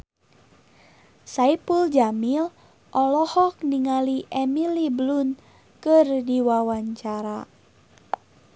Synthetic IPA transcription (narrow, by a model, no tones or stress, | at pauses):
saipuld͡ʒamil | ʔɔlɔhɔk̚niŋaliʔɛmiliblun | kɨrdiwawaɲt͡ʃaɾa